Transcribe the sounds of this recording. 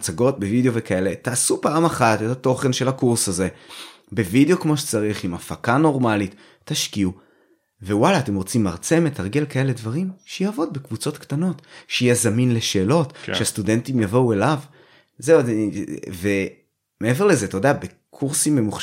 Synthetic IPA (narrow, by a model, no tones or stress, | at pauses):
t͡saɡo̞t̚be̞video̞ve̞kae̞le̞taːsupaːmaχatethato̞χe̞nʃe̞lhakuʁsaze̞ | be̞video̞kmo̞ʃet͡saʁiχimafakano̞ʁmalit̪ː | aʃkiu | ve̞walaːte̞mʁo̞t͡simːaʁt͡se̞met̪ʰaʁɡe̞lkae̞le̞dvaʁimʃejavo̞d̪̚bekvut͡so̞tkt̪ano̞tʃejazaminle̞ʃeːlo̞tʃeast̪ude̞ntimjavo̞ue̞lav | zeu | ve̞ | me̞eve̞ʁle̞zetodeabe̞ | kʰuʁsimːe̞muχ